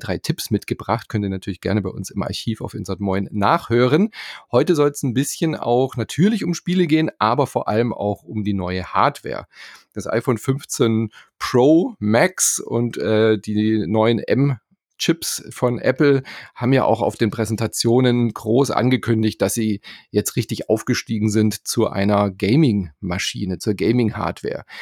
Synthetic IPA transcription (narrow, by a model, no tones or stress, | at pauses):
d̥ʁaɪtʰɪpsmɪtɡ̥əbʁaχt̚kʰœntiːɐnatʰyːɐlɪçɡ̥ɛɐnəbaɪʔʊnsɪma̰ɐçiːfaʊfɪnzatmɔʏnːaːχhøːʁ̞ənhɔʏtəzɔlsn̩bɪsçəna̰ʊxnatʰyːɐlɪçʊmʃpiːləɡeːənʔaːbɐfoːɐʔaləmʔa̰ʊxʊmdiːnɔʏəha̰ɐtv̥ɛ̰ːɐd̥asʔa̰ɪfoːnfʏnft͡sənpʁ̥oːmɛksʊ̰ntʔɛːdiːnɔʏənʔɛ̰m | t͡ʃɪpsfɔnʔɛ̰pl̩haːbm̩ja̰ːʔa̰ʊxa̰ʊfd̥eːnpʁ̥ɛzɛntʰat͡sjoːnənɡʁoːsʔa̰nɡəkʰʏndɪçt̚d̥asz̥iːjɛt͡stʁɪçtɪçʔa̰ʊfɡ̥əʃtiːɡŋ̩zɪntt͡suʔa̰ɪnɐɡeɪmɪŋmaʃḭːnət͡suːɐɡeɪmɪŋha̰ːɐtv̥ɛ̰ːɐ